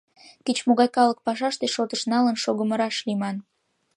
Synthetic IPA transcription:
kit͡ɕmoɣɑjkɑlək̚pɑʃɑʃt̪eʃot̪əʃnɑlənʃoɣəməɾɑʃlimɑn

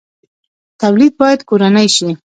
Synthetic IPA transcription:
t̪awlid̪̚bɑjad̪koɾanəjʃi

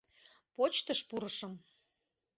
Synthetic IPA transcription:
pot͡ɕt̪əʃpuɾəʃəm

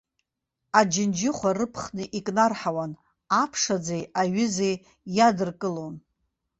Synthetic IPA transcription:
ad͡ʒɪnd͡ʒɪχʷarɨpʰχnɨʔikʼnarħawan | apʰʂad͡zejaɥʏzej | jadɨrkʼɨlo̞n

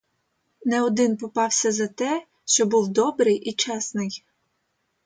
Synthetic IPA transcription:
nɛɔd̪ɪnpɔpɑwsʲɐzɐt̪ɛ | ʃt͡ʃɔbuwd̪ɔbɾɪjʔit͡ʃɛsnɪj

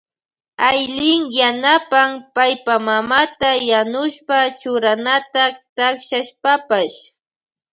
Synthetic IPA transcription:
ajlɪŋjanapampajpamamat̪ajanʊʃpat͡ʃʊɾanat̪at̪akʃaʃpapaʃ

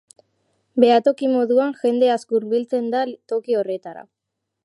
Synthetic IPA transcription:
be̞at̪o̞kimo̞ðuaŋʝe̞nd̪e̞askuɾβilt͡se̞nd̪at̪o̞kio̞re̞t̪aɾa̰

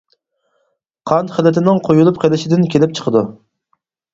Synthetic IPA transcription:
qʰɑnt̪χəlɪt̪ʰɪnɪŋqʰojulˠupqʰelɪʃɪd̪ɪnkʲʰelɪp̚t͡ʃʰə̥qʰəd̪u

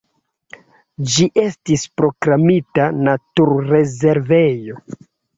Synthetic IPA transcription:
d͡ʒiʔe̞stispɾo̞kɾamitanatuɾɾe̞ze̞ɾve̞jo̞

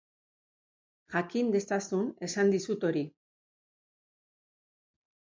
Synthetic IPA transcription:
ʝakind̪e̞st̪asune̞sand̪isut̪o̞ɾi

